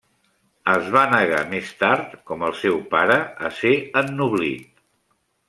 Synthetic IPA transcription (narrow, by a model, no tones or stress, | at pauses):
əzβanəɣa̰mest̪aɾt̪kɔməlˠsɛwpaɾəːseənːuβlit̪̚